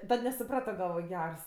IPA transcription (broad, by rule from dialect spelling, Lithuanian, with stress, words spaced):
ˈtɐt nʲɛsʊˈprɑːtoː ɡɐlˠˈʋoːj ˈɡʲɛrs